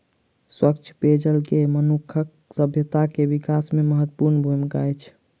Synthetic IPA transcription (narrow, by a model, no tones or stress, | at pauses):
swəkt͡ʃʰped͡ʒəlkemənukʰək̚ | səbʱjət̪akebikasmeməɦət̪ːpuɾnbʱujmkajt͡ʃʰ